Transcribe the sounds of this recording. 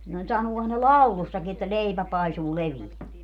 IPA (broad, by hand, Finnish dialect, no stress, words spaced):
no sɑnuohɑn ne lɑulusːɑki etːæ leipæ pɑisuː leʋiæ